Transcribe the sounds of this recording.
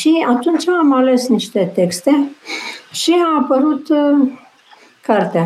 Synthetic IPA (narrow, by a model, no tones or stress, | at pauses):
ʃiat̪unt͡ʃaːmale̞sniʃt̪e̞t̪e̞kst̪e̞ | ʃiaapəɾut̪ | kart̪ea